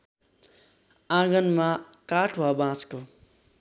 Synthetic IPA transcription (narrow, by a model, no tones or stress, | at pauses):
ãɡʌnma | kaʈʰuwabãt͡sko